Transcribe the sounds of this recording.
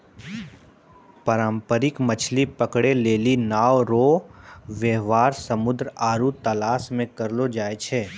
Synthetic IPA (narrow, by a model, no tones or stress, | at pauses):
pəɾãːmpəɾɪkmət͡ʃʰlipəkɽeleːlinaːʋɾoːʋəɦʋaːɾsəmʊd̪ɾaːɾut̪ɐlaːsmẽkɐɾlod͡ʒaːet͡ʃʰeː